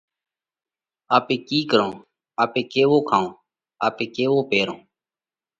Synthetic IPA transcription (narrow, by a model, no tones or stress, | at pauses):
aːpẽːkiːkəɾõː | aːpẽːkeːʋoːkʰãːõː | aːpẽːkeːʋoːpeːɾõː